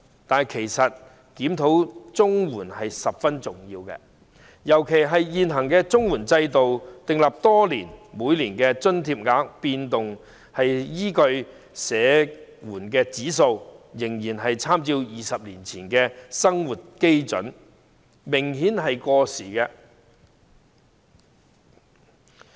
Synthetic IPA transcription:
t̪aː˨n˨jkʰe˨˩jsɐ˨t̚ | kiː˨˥mt̪ʰo˨˥wt͡sʊ˥ŋwuː˨˩nhɐ˨jsɐ˨p̚fɐ˥nt͡sʊ˨ŋjiː˧wkɛ̰˧ | jɐ˨˩wkʰe˨˩jɦɐ˨jjiː˨nɦɐ˨˩ŋkɛː˧t͡sʊ˥ŋwuː˨˩nt͡sɐ˧jt̪o˨wt̪ɪ˨ŋla˨p̚t̪ɔː˥liː˨˩nmuː˨˧˥jliː˨˩nkɛː˧t͡sɵ˥nt̪ʰiː˧p̚ŋaː˨˥k̚piː˧nt̪ʊ˨ŋ | hɐ˨jjiː˥kɵ˧ɥ | sɛː˨˥wuː˨˩nkɛː˧t͡siː˨˥s̬o˧wjɪ˨˩ŋjiː˨˩nɦɐ˨jt͡sʰaː˥mt͡siː˧wjiː˨sɐ˨p̚liː˨˩nt͡sʰiː˨˩nkɛː˧sɐ˥ŋwuː˨t̚ke˥jt͡sɵ̰˨˥n | mɪ˨˩ŋhiː˨˥nɦɐ˨jkɔː˧siː˨˩kɛː˧

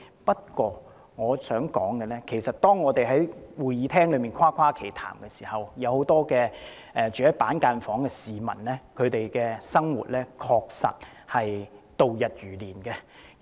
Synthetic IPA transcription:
pɐ˥t̚kʷɔː˧ | ŋɔː˨˧sœː˨˥ŋkɔː˨˥ŋkɛ˧lɛː˥kʰe˨˩jsɐ˨t̚t̪ɔː˥ŋːɔː˨˧t̪e˨jɦɐ˨˥jwuː˨˩jjiː˨˧t̪ʰɛː˥ŋlɵ˨˧˥miː˨nkʷʰaː˥kʰwaː˥kʰe˨˩jt̪ʰa̰ː˨˩mkɛ˧siː˨˩hɐ˨wjɐ˨˧who˨˥wt̪ɔː˥kɛː˧ | ʔɛː˨˩t͡ʃyː˨˩hɐ˨˥paː˨˥nkaː˧nfɔː˨˥ŋkɛː˧siː˨mɐ˨˩nlɛː˥kʰɵ˨˧t̪e˨jkɛː˧sɐ˥ŋwṵː˨t̚lɛː˥kʰɔː˧k̚sɐ̰˨t̚hɐ˨jt̪o˨wjɐ˨t̚ɥyː˨˩liː˨˩nkɛ˧

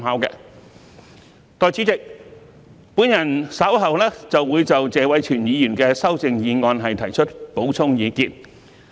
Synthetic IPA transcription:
mɦaː˨˥wkɛ̰ː˧ | t̪ɔː˨˧jt͡siː˨˥t͡sɪ˨k̚ | puː˨˥njɐ˨˩nsɐ˨˥wɦɐ˨wlɛː˥t͡sɐ˨wːuː˨˧jt͡sɐ˨wt͡sɛː˨˧wɐ˨˥jt͡ʃʰyː˨˩njiː˨˧jyː˨˩nkɛː˧sɐ˥wt͡sɪ˧ŋjiː˨˧ŋɔː˧nɦɐ˨jt̪ʰɐ˨˩jt͡ʃʰɵ˥t̚po˨˥wt͡sʰʊ˥ŋjiː˨˧kiː˧t̚

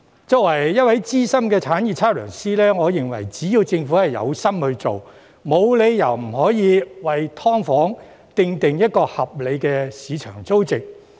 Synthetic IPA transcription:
t͡sɔː˧k̚wɐ˨˩jːɐ˥t̚wɐ˨˥jt͡siː˥sɐ˥mkɛː˧t͡sʰaː˨˥njiː˨˧˩t͡sʰaː˥lœː˨˩ŋsiː˥lɛː˥ŋɔː˨˧jɪ˨˩ŋwɐ̰˨˩jt͡siː˨˥jiː˧wt͡sɪ˧ŋfuː˨˥hɐ˨jjɐ̰˨˧wsɐ˥mhɵ˧t͡so̰˨w | mo˨˧wle˨˧jjɐ̰˨˩wm̩˨˩hɔː˨˥jiː˨˧wɐ˨jt̪ʰɔː˥ŋfɔː˨˥ŋ | t̪ɪ˨ŋt̪ɪ˨ŋjɐ˥t̚kɔː˧hɐ˨p̚le˨˧jkɛː˧siː˨˧t͡ʃʰœ̰ː˨˩ŋt͡so˥wt͡sɪ˨k̚

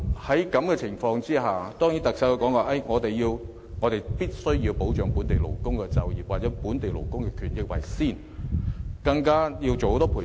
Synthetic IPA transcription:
hɐ˨˥jkɐ˨˥mkɛː˧t͡sʰɪ˨˩ŋfɔː˧ŋt͡siː˥haː˨˩t̪ɔː˥ŋji˨˥t̪ɐ˨ksɐ˨˥wo˧kɔː˨˥ŋkɔː˧ʔɐ˥˩jŋɔː˨˧t̪e˨jjiː˧w | ŋɔː˨˧t̪e˨jpiː˥t̚sɵ˥ɥjiː˧wpo˨˥wt͡ʃœː˨˥ŋpu˨˥nt̪e˨jlo˨˩wkʊ˥ŋkɛ˧t͡sɐ˨˧wjiː˨p̚waː˨t͡sɛː˨˥puː˨˥nt̪e˨jlo˨˩wkʊ˥ŋkɛ˧kʰyː˨˩njɪ˨˧k̚wɐ̰˨˩jsiː˥˩n | kɐ˧ŋkaː˥ji˧wt͡so˨who˧˥t̪ɔ˥pʰu˨˩

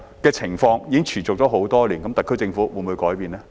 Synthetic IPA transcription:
kɛː˧t͡sʰɪ˨˩ŋfɔː˧ŋjiː˨˧kɪ˥ŋt͡ʃʰyː˨˩t͡sʊ˨k̚t͡ʃɔː˨˥ɦo˨˥wt̪ɔː˥liː˨˩nkɐ˨˦mt̪ɐ˨kʰːɵ˥jt͡sɪ˧ŋfuː˨˥wuː˨˧nmuː˨˧jkɔː˨˥jpiː˧nlɛː˥

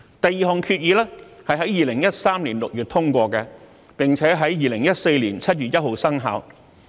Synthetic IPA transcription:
t̪ɐ˨jiː˨˩ɦɔː˨˩ŋkʰyː˧t̚jiː˨˧lɛː˥hɐ˨jɦɐ˨˥jiː˨lɪ˨˩ŋjɐ˥t̚saː˥mliː˨˩nlʊ˨k̚jyː˨t̪ʰʊ˥ŋkʷɔː˧kɛ˧ | pɪ˨ŋt͡sʰɛː˨˥ɦɐ˨˥jjiː˨lɪ˨˩ŋjɐ˥t̚se˧jliː˨˩nt͡sʰɐ˥t̚jyː˨t̚jɐ˥t̚ho˨wsɐ˥ŋɦa̰ː˨˧w

